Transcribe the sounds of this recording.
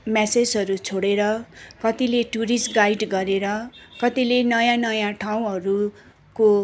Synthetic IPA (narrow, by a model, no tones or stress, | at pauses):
mɛsed͡zɦʌɾut͡sʰoɽeɾʌkʌt̪ileʈuɾisʈɡajɖɡʌɾeɾʌkʌt̪ilenʌjãnʌjãʈʰaw̃ɦʌɾu | ko